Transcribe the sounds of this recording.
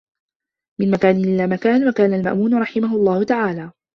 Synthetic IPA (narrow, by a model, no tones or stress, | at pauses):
mɪnmakaːnɪlɪlaːmakaːnwakaːnalma̰ʔmuːnɾˤɑħɪmaɦʊlˤːɑːhʊt̪aʕaːlaː